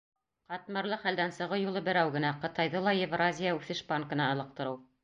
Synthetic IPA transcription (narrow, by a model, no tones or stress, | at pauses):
qɑt̪mɤ̆ɾlˠɤχæld̪ænsɤ̆ʁɤjulˠɤbɘ̆ɾæwɡɘ̆næqɤ̆t̪ɑjðɤlˠɑjevrazʲijaʉθɘʃbaŋkɤ̆nɑɑlˠɤ̆q̚t̪ɤ̆ɾɤw